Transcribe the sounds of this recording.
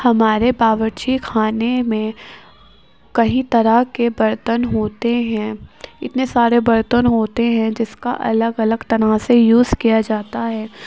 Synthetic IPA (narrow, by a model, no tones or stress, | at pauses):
hɐmaːɾebaːʋəɾt͡ʃikʰaːnemẽ | kɐɦĩt̪ɐɾəɦkebɐɾt̪ənɦoːt̪eɦɛ̃ɪt̪nesaːɾebɐɾt̪ənɦoːt̪eɦɛ̃d͡ʒɪska̰ʔɐ̰ləɡɐləɡt̪ɐɾasejuːzkijad͡ʒaːt̪aɦɛː